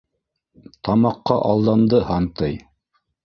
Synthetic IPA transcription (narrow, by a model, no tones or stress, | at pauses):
t̪ɑmɑqːɑʔɑlˠd̪ɑnd̪ɤhɑnt̪ɤj